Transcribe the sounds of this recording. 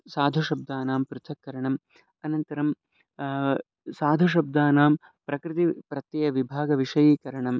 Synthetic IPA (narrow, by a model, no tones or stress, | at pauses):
saːd̪ʱɐʃɐb̚d̪aːnaːmpɾut̪ʰɐkːɐɾɐɳɐm | ɐnɐnt̪ɐɾɐm | saːd̪ʱɐʃ̬ɐb̚d̪aːnaːm | pɾɐkɾɪt̪ipɾɐt̪jɐjɐʋibʱaːɡɐʋiʂɐjiːkɐɾɐɳɐm